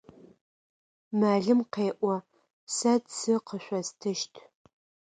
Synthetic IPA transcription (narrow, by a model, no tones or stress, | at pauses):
maːɮɨmqeːʔʷɔ | sɐdsɨqəʃʷɐstʰɨʃtʰ